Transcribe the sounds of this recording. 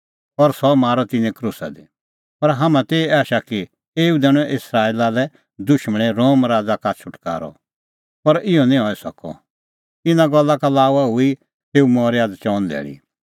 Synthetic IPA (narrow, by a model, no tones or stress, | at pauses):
ɔɾsɔmaːɾɔt̪ɪnɛ̃kɾusa̰d̪e | pɐɾɦaːmãt̪eːaːʃaki | eːud̪ɛːɽ̃ɔ̃ʔɪsɾaːiːlalɛ | d̪ʊʃməɽ̃eɾoːmɾaːd͡zakat͡ʃʰʊʈka̰ːɾɔ̰ | pɐɾɪɔnĩɦɔːɛsɐkɔ̰ | t̪ɪnãɡɔlːakalaːuaɦʊi | seːumɔːɾjaːdt͡ʃɔ̃ːnd̪ɛ̰ːɽḭ